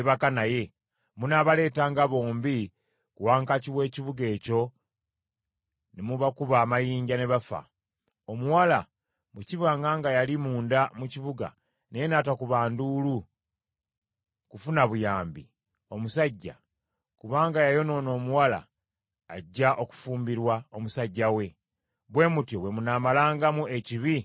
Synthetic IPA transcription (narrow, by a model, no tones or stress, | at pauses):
eβakanaje̞ | munaβale̞ːtaːŋɡaβo̞ːmbi | kuwaːŋkaciβwe̞ːciβuɡe̞ːco̞ | nemuβakuβaːmajiːɲɟane̞βafa̰ | omuwala | muciβaːŋɡaːŋɡajalimuːndamuciβuɡa̰ | nejenaːtakuβaːnduːlu | kufunaβujaːmbi | o̞musaɟːa̰ | kuβaːŋɡajajo̞no̞ːno̞ːmuwala̰ː | ɟːaʔo̞ku̥fuːmbiɾwaomusaɟːawe̞ | βwe̞ːmutjoβwe̞munaːmalaːŋɡamue̞ciβi